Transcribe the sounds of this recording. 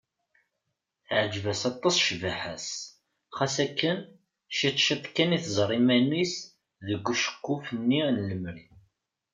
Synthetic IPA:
θʕd͡ʒvæsɑt̪ˤːɑsˤʃvæħæs | χæsækːən | ʃit̪ˤʃət̪ˤkːæniθzˤɾˤimænis | ðəɡʷːuʃə̥kːufənːinləmːɾi

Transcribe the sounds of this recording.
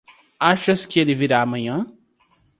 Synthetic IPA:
aʃɐskɪelɪviɾaːmɐ̃ɲɐ̃

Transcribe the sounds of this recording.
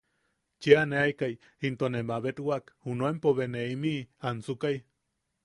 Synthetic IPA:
t͡ʃeaneajkaj | hint̪onemaβet̪wakhunoempoβeneimiansukaj

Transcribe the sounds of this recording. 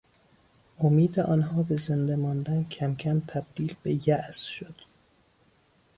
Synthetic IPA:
ʔomiːd̪eʔɒːnɦɒːbe̞zend̪emɒnd̪æncʰæmcʰæmt̪ʰæb̥̚d̪̥iːlbejæʔz̥ʃod̪̥

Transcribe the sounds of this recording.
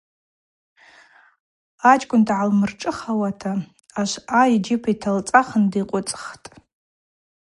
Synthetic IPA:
at͡ʃʼkʷʼʊndʕalmɨrʈ͡ʂʼɨχawatʰa | aʃʷaid͡ʒɪpʰitʰalt͡sʼaχəndiqʷʼʊt͡sʼχtʼ

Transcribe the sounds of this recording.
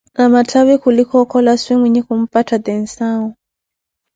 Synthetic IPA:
namat͡ɬʰaβɛkʰulikʰɔkʰɔlaswiŋwiɲikum̩pʼatʰad̪ɛn̩saːɔ

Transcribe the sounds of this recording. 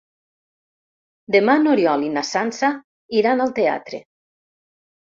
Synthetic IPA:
d̪emanoɾjɔlinasansa | iɾanalˠt̪ea̰t̪ɾḛ

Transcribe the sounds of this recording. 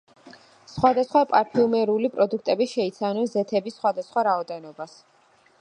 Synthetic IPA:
sχwad̪asχwapʼaɾpʰiumɛɾulipʼɾɔd̪uk̚ʰt̪ʼɛbiʃɛit̪sʰavnɔnzɛt̪ʰɛbisːχwad̪asχwaɾaɔd̪ɛnɔbas

